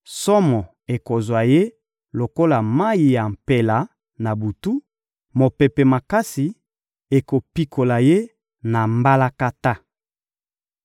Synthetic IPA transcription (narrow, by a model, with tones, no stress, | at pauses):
sɔ˦mɔ˨ | e˨ko˨zwa˨je˦ | lo˨ko˦la˨ma˦i˨ja˨m̩˨pe˨la˨ | na˨bu˨tu˦ | mo˨pe˨pe˨ma˨ka˦si˨ | e˨ko˨pi˦kʰo˨la˨je˦ | na˨mba˦la˦ka˦ta˦